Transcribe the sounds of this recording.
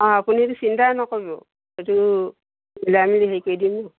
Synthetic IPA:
ɔ̃apunietusintanɔkojbɔ | etu | ilamiliɦejkojdimɔ

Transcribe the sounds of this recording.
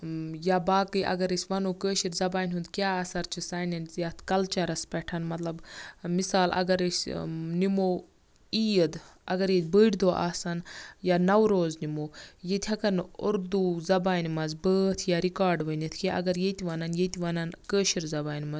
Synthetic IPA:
jabaːkɨjʔɐ̰ɡɐɾəsʲʋɐnoːkəːʃiɾzɐbaːnʲɦund̪kʲjaːɐːsɐɾt͡ʃʰisaːnɐnzjaːt̪ʰkɐlt͡ʃɐɾɐspʲɛʈʰɐnmɐt̪lɐbmisaːlɐ̰ɡɐɾəsʲnimoː | iːjəd̪ɐɡɐɾjet̪ʲbəːʈd̪oːʔa̰ːsɐnjaːnɐwɾoːznimoːjet̪ʰʲɐkɐnuɾd̪uzɐbaːnmɐzbəːt̪ʰjaːɾikaːɾɖʋənit̪ʰkeʔɐ̰ɡɐɾjet̪iʋɐnɐnjet̪iʋɐnɐnkəːʃiɾzɐbaːnʲmɐz

